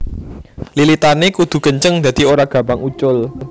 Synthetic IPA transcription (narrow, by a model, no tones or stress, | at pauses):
lilit̪anekud̪̥ṳkəɲt͡ʃəŋd̪̥a̤d̪̥i̤oɾaɡ̥ä̤baŋut͡ʃʊl